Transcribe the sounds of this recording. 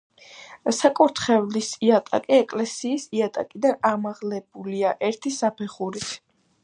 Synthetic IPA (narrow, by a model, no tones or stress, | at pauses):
sakʼuɾt̪ʰχɛvlisiat̪ʼa̰kʼiɛkʼlɛsiːsiat̪ʼa̰kʼid̪anamaʁlɛbuliaʔɛɾt̪ʰisapʰɛχuɾit̪ʰ